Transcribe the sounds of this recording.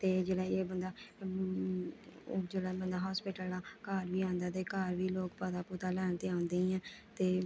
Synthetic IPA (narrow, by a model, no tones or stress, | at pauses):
t̪eːd͡ʒeːɽaːeːbənd̪aː | d͡ʒeːɽaːbənd̪aːɦɔːspɪːʈəlaːkaːɾʋiːãːnd̪aːt̪eːkaːɾʋiːloːkpəːd̪aːpuːt̪aːlɛːɳt̪eãːnd̪eːiɛ̃ːt̪eː